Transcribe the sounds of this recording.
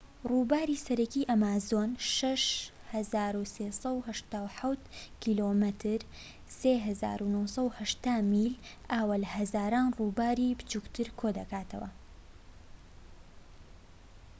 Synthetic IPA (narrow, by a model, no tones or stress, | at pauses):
ruːbaːɾiːsɐɾɐkiːʔɐmaːzoːnʃɐʃ | hɐzaːɾuseːsɐwhɐʃt̪aːwħawt̪kʰiːlomɨt̪ʰɨɾ | seːɦɐza̰ːɾunosˤɐwhɐʃt̪aːmiːl | ʔaːwalhɐzaːɾaːnruːbaːɾiːbɨ̥t͡ʃukt̪ʰɨɾkʰoːd̪ɐkaːt̪ʰɐ̰wɐ̰